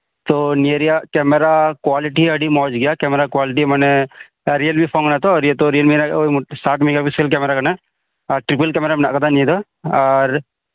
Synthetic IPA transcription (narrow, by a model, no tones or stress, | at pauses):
t̪oniəɾijakɛːmeɾakwaːlɪʈiəɖimɔːd͡ʒɡɐjakɛmeɾakwaːlɪʈ̬imɛne | ɾijəlbipʰõŋnat̪oɔːɾjet̪oɾijəlminaosaːʈmiɡabiselkɛmeɾakɐne | aɾʈɾɪpəlkɛmeɾamna̰ʔkɐd̪anĩd̪o | aːɾ